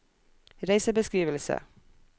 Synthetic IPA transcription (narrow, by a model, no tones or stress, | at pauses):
ɾæɪsəbəskɾiːʋəlsə̰